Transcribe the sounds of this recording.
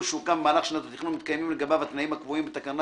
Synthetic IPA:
ʃukammaːlaχʃenat̪at̪iχumit̪kajmimleɡabavat̪naimhakvoimbet̪akan

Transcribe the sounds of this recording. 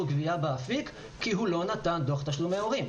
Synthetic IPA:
uɡviabeafik | kːiɦulo̞nat̪and̪oχt̪aʃlumeoʁim

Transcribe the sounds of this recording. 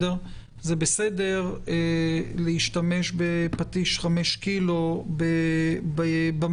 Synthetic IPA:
eʁ | zebesede̞ʁeleiʃt̪ame̞ʃbepat̪iʃχameʃkilobebbam

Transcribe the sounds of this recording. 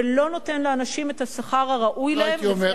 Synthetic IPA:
lo̞no̞te̞nleanaʃime̞thasaχaʁaʁaʔujlaemom

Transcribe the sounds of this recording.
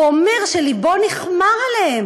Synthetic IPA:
ome̞ʁʃelibo̞niχmaʁalehem

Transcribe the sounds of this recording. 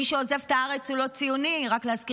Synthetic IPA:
iʃeozevt̪aaʁe̞t͡sulo̞t͡sijuniʁaklehazki

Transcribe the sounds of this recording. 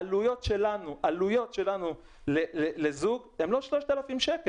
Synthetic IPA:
alujo̞t̪ʃelanuʔalujo̞t̪ʃe̞lanu | lelelezuɡemlo̞ʃloʃt̪alafimʃeke

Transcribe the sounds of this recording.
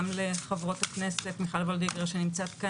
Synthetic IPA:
mleχavʁo̞t̪haknese̞tmiχalvold̪iɡʁeʃenimt͡sat̪ka

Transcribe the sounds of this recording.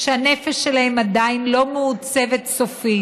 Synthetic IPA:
ʃeanefeʃːelahe̞mad̪ainlo̞meut͡se̞vet̪sofi

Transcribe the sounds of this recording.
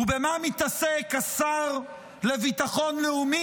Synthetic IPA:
ubemamit̪asekasaʁ | levit̪aχo̞nleumi

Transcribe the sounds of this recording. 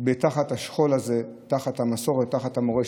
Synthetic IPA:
betaχathaʃχo̞laze | taχat̪hamaso̞ʁetːaχat̪hamoʁe

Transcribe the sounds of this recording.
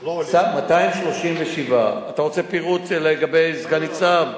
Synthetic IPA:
samataimʃlo̞ʃimveʃivaataʁo̞t͡se̞piʁutleɡabejzɡanit͡sav

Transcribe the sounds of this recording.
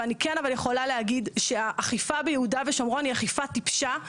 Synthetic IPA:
anikenavaljeχo̞laleaɡidʃeaʔːχifabejeudaveʃomʁoaniaχifat̪ipʃa

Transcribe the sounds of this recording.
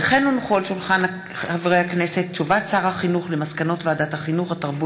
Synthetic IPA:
eχenunχolʃulχana | havʁejhaknese̞t̚t͡ʃuvatsaʁhaχinuχlemaskano̞tveadathaχinuχhataʁbu

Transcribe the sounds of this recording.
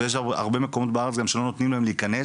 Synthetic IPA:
jeʃ̬aa̰ʁbe̞me̞ko̞mo̞t̪̚beaʁet͡sɡamʃelo̞not̪nimlae̞mleikane

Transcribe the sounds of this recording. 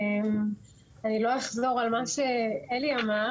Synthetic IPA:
m | anilo̞aχzo̞ʁalmaʃeeliama

